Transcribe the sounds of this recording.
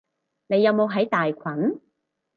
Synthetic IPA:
ne˨˧jːɐ˨˧wmo˨˧wɦɐ˨˥jt̪aː˨jkʷʰɐ˨˥n

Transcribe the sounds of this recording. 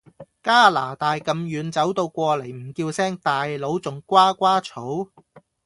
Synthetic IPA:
kaː˥laː˨˩t̪aː˨jkɐ˨mjyː˨˧nt͡sɐ˨˥wt̪o˧wkʷɔː˧lɐ˨˩jm̩˨˩kiː˧wsɛː˥ŋt̪aː˨jlo˨˥wt͡sʊ˨˥ŋkʷaː˥kʷaː˥t͡sʰo˨˥w

